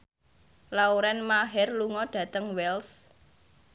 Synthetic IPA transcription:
lauɾɛnmaɦɛrluŋɔɖ̥ä̤t̪əŋwɛls

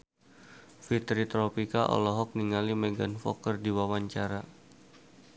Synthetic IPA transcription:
fit̪ɾit̪ɾɔpikaʔɔ̰lɔɦɔk̚niŋalimɛɡanfɔ̰kərdiwawaɲt͡ʃaɾa

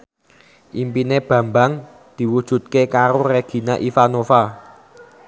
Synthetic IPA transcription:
ʔimpineb̥ä̤mbaŋ | d̪̥i̤wud̥ʒ̥ṳt̪̚kekaɾoreɡ̥i̤naʔifanofa

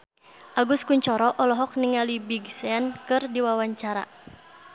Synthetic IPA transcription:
ʔaɡuskuɲt͡ʃɔɾɔʔɔlɔɦɔk̚niŋalibiɡsɛankɨrdiwawaɲt͡ʃaɾa̰

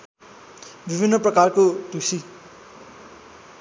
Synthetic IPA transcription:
bibʱinːʌprʌkarkod̪usi

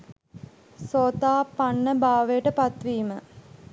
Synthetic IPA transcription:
soːt̪aːpanːəbaːʋəjəʈəpat̪ʋiːmə

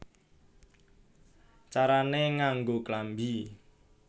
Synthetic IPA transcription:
t͡ʃaɾaneŋaŋɡoklambi

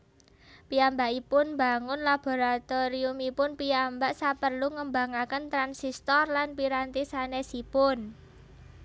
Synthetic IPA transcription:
piambaʔipʊnmba̤ŋʊnlab̥o̤ɾat̪ɔɾiumipʊnpiambaʔsapərluŋəmbaŋakənt̪ɾansist̪ɔrlanpiɾant̪isanesipʊn

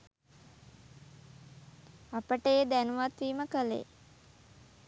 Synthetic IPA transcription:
apəʈəjed̪ænuʋat̪ʋiːməkəlḛ

